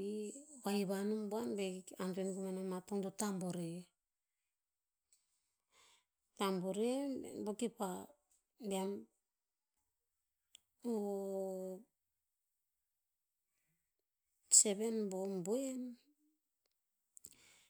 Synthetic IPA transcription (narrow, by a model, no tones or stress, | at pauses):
iβajβanumboanbeanduenɡumanamatoŋdotamboɾe | tamboɾḛbokipa | beam | o | se̞βe̞nbombuen